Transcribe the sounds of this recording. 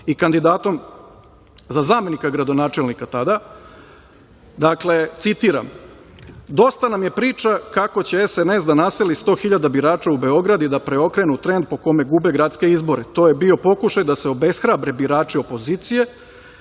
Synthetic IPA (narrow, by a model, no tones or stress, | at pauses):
ikand̪id̪aːt̪o̞m | zazaːme̞nikaɡɾad̪o̞naːt͡ʃe̞lnikat̪ad̪a | d̪akle̞t̪sit̪iːɾa̰m | d̪o̞st̪anamje̞pɾiːt͡ʃakakot͡ɕeesenesd̪anase̞list̪o̞ːxiʎad̪abiɾaːt͡ʃaube̞o̞ɡɾad̪id̪apɾe̞o̞kɾe̞nut̪ɾe̞nd̪̚po̞ko̞me̞ɡube̞ɡɾat̪ske̞izbo̞ɾe̞t̪o̞ːje̞bio̞po̞kuʃajd̪aseo̞be̞sxɾabɾe̞biɾaːt͡ʃio̞po̞ziːt̪sije̞